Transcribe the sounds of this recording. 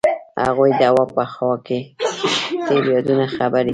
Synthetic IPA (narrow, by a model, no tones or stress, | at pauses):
ha̰ɣujd̪awapəxɔke | t̪eɾijɑd̪unaxabaɾi